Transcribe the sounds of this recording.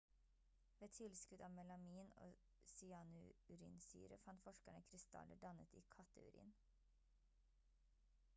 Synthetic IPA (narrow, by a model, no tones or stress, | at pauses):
ʋeːt̪ʰɪlskʉd̪ɑːmɛlɑmiːno̰ː | sɪɑːnʉʉɾḭːnsy̰ːɾəfɑnt̪fɔʃkæɳəkʰɾɪst̪ɑ̰lʔəɖɑnət̪iːkʰɑt̪əʉ̰ɾḭːn